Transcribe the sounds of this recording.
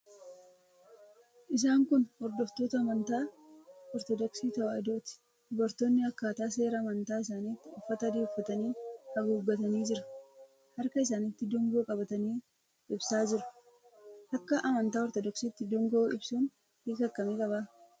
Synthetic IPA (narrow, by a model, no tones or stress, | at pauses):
ʔɪs̬aːŋkʊnhɔɾd̪ɔft̪o̞ːt̪ɐːmɐnt̪aːɔɾt̪ɔd̪ɔksiːt̪ɐwaːɪd̪o̞ːt̪ɪ̥ | d̪ɔbɐɾt̪oːnːɪɐkːaːt̪aːse̞ːɾɐːmɐnt̪aːɪs̬aːniːt̪ːɪʊfːɐt̪ɐd̪iːʊfːɐt̪ɐniːnkɐɡuːɡːɐt̪ɐniːd͡ʒɪɾɐ | hɐɾkɐɪs̬aːnɪt̪ːɪd̪ɔŋɡo̞ːkʼɐbɐt̪ɐniː | ɪbsaːd͡ʒɪɾʊ̥ | hɐkːɐʔɐmɐnt̪aːɔɾt̪ɔd̪ɔksiːt̪ːɪd̪ɔŋɡoːɪbsuːn | hiːkɐkːɐmeːkʼɐbaː